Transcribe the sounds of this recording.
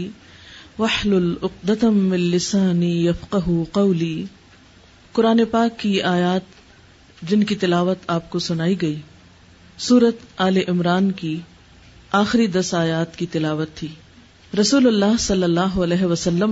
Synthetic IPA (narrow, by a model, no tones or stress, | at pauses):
wɐħlʊlʊq̚d̪ɐt̪mɪ̃nːɪsaːnijɐfqɐɦuqɐʊliː | qʊɾaːnepaːkːiʔaːjaːt̪ | d͡ʒɪnkit̪ɪlaːʋət̪aːp̚kosʊnaːiɡɐiː | suːɾət̪aːleʔɪmɾaːnki | aːxɪɾid̪ɐsaːjaːt̪kit̪ɪlaːʋət̪ʰːiː | ɾɐsuːlʊlːaːɦsɐlːɐlːaːɦoɐlɛːɦeʋɐsɐlːəm